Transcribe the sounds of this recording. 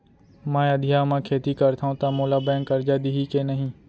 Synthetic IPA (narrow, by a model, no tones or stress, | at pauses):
mãːəd̪ʱɪjaːmãːkʰeːt̪iːkəɾt̪ʰaũt̪ãːmoːlaːbɛ̃ːŋkːəɾd͡ʒaːd̪iːɦiːkeːnəɦĩː